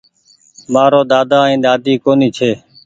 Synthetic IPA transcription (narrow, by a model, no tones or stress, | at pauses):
maːɾoːd̪aːd̪aːĩːɗ̪aːd̪iːkoːniːt͡ʃʰeː